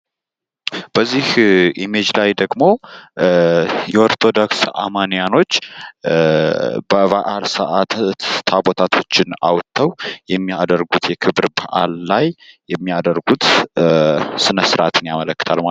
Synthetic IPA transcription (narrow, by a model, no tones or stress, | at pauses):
b̥əzːihʔime̞d͡ʒlajd̪əɡmo̞ | jɛoɾt̪ʰo̞d̪oksa̰manijano̞t͡ʃː | bəβaʔalsəʔat̪ʰabot̪ʰat̪ʰo̞t͡ʃːɪna̰wt̪ʰːəwjɛmːiad̪əɾɡut̪jɛkʰɨβɨɾbaʔa̰lːajjɛmːiad̪əɾɡut̪ | sɨnəsɨɾat̪ʰɨnjamələkːɨ̥t̪ʰalma